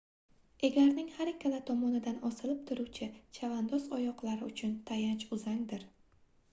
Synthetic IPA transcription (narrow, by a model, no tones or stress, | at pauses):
e̞ɡʲaɾnɪŋhaɾekʲʰːalat̪ʰɒmɒnɪd̪anɒsɪlɪp̚t̪ʰʊɾuwt͡ʃʰɪt͡ʃʰavand̪ɒsɒjɒqlˠaɾɪʊt͡ʃʰʊnt̪ʰajant͡ʃʊzaŋd̪ɪɾ